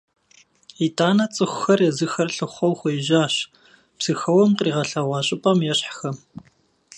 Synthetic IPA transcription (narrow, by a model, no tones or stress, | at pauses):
itʰaːnɐt͡sʼɨxʷxɐrjɛzɨxɐrɬɨχʷɔwxʷɔjɪʒaːɕ | pz̥ɨxɐwɐmqriːʁɐɬɐʁʷɑːɕʼɪpʼɐmjɛɕħxɐ